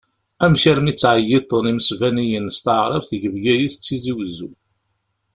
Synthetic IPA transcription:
æmʃæɾmit͡sːʕəjːit̪ˤːəniməsvænijənst̪əʕɾˤɑvθəʝəvɡæjist͡sːiziwzu

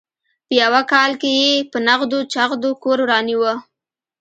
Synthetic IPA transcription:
pəjawakɑlkejepənaɣd̪ot͡ʃaɣd̪okoɾwɾɑniwə

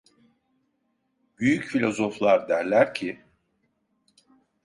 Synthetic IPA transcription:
b̥yjycfilʲo̞zo̞flˠaɾd̪æɾlʲæɾcʰi

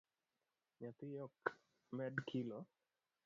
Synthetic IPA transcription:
ɲat̪ɪjɔk | mɛdkʰilɔ

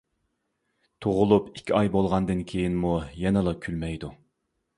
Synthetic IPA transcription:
t̪ʰoʁʊlˠupi̥kʲʰːiɑjbolˠʁɑnd̪ɨnkʲʰejinmujɛnɨlˠɨkʲʰylmɛjd̪u

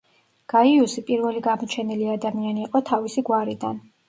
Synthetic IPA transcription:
ɡ̥aiusipʼiɾvɛliɡamɔt͡ʃʰɛniliad̪amianiːqʼɔt̪ʰavisiɡwaɾid̪a̰n

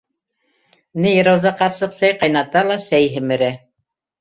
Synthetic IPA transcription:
nɘjɤ̆ɾɑwzɑqɑɾsɤqsæjqɑjnɑt̪ɑlˠɑsæjɦɘ̆mɘ̆ɾæ

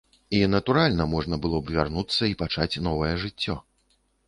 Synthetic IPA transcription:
inɐt̪uɾalʲnɐmɔʐnɐbɨlˠɔbvʲarnut̪sːɐipat͡ʂat͡sʲnɔvɐjɛʐɨt͡sʲːɔ

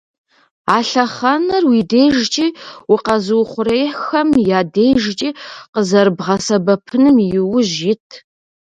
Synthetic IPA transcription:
aːɬɐχɐnɐrwideːjʒt͡ʃʼiːwiqɐzɨwχʷʊɾejħxɐmjaːdejʒt͡ʃʼiːqəzɐɾbʁɐsɐbɐpʰɨnɨmjɪwʊʑjɪtʰ

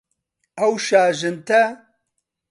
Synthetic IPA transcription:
ɐwʃaːʒɨnt̪ʰɐ

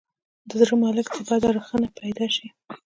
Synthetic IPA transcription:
d̪əzɾəmɑləkt̪əbɑd̪aɾəxənapajd̪ɑʃi

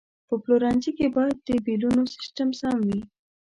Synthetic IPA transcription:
pəploɾɑnd͡ʒikebɑjad̪̚ːəbilunosɪ̥sʈəmsɑmwi

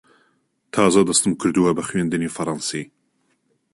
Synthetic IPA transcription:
t̪ʰɑːzɐd̪ɐst̪ɨmkʰɨɾd̪ɨwɐbɐxɥend̪ɨniːfɐɾˤɑnsi

